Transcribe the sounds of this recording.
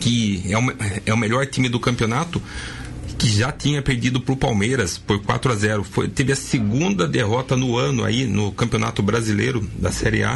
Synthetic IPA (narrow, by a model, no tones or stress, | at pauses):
kɪɛʊmɛʊmeʎɔɾt̪ĩmɪd̪ʊkɐ̃mpʲionat̪ʊ | kɪʒat̪ĩɲɐpeɾd̪id̪ʊpɾʊpawmejɾɐspoɾkwa̰t̪ɾʊazɛɾʊfo̰jt̪evɪɐseɡũnd̪ɐd̪eɦɔt̪ɐnʊɐ̃nʊa̰inʊkɐ̃mpiona̰t̪ʊbɾazilejɾʊd̪ɐsɛɾia̰